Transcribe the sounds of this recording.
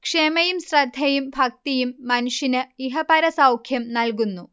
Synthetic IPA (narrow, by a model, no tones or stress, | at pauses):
kʂeːmɐjumɕrɐd̪ʱːɐjumbʱɐk̚t̪ijumːɐnuʂinɨiɦɐpɐɾɐsɐwkʰjɐmnɐlk̬unːu